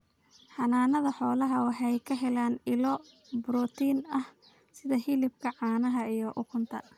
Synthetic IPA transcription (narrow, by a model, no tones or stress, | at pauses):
ħɑnaːnɐðɐħɔːlɐɦɐwɑħɑjkʰɐɦɛlaːnɪlɔ | bɾɔːt̪ʰiːnɐh | sɪðɐhɪlɪb̚kʰɐʕɑːnɐɦɐijɔʔʊkʰʊnt̪ʰɐ̰